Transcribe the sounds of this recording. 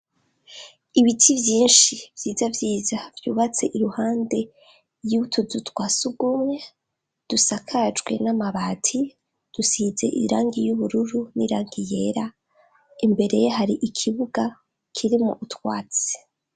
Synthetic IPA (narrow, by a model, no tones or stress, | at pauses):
iβitʰivjiːnʃivjiːzavjiːzavjuːβat͡se̞ʔiɾuhaːnde̞ | jutʰuzutwasuɡumŋe̞ | d̥usakʰad͡ʒɡwe̞̰namaβaːtʰi | d̥usize̞̰ʔḭɾaːŋɡijuβuɾuɾunḭɾaːŋɡije̞ːɾa | imbe̞ɾe̞jeɦaɾiʔikʰiβuɡa | kʰiɾimo̰ʔutwa̰ːt͡se̥